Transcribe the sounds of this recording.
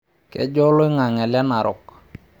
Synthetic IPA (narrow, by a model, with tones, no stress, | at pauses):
kɛ̰˦d͡ʒɔ˦lɔ˦i˦ŋa˨ŋɛ˨lja˦na˨ɾɔ̰˨k